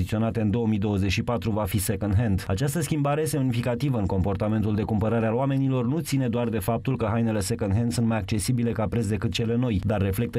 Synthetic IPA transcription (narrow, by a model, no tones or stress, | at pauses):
it̪sio̞nat̪e̞ɨnd̪o̞əmid̪o̞wəzet͡ʃʲʃipat̪ɾuvafisekond̪ɦend̪at͡ʃast̪əskʲimbaɾe̞jest̪eunifikat̪ivəɨŋko̞mpo̞rt̪ame̞nt̪uld̪e̞kumpəɾaɾealoame̞nilo̞rnut̪sine̞d̪oard̪e̞fap̚t̪ulkəɦajne̞le̞sekonɦend̪sunt̪majak̚t͡ʃe̞sibile̞kapɾet̪s̬d̪e̞kɨt̪t͡ʃe̞le̞no̞jd̪arːe̞fle̞k̚t̪ə